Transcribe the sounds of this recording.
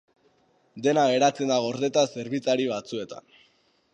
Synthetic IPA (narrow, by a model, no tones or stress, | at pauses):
d̪e̞naɣe̞ɾat͡se̞nd̪aɣo̞ɾðe̞t̪ase̞ɾβit͡saɾiβat͡sue̞t̪a̰n